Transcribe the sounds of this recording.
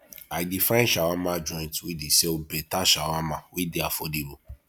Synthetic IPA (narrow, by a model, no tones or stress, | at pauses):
adifãnʃawãmãd͡ʒɔ̃ĩtwidiseobɛtaʃawãmãwideafɔdiɾo